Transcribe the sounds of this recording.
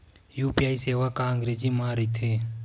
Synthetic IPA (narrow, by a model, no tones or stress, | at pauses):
juːpiaːiseːʋakaəŋɡɾeːd͡ʒimãːɾəit̪ʰeː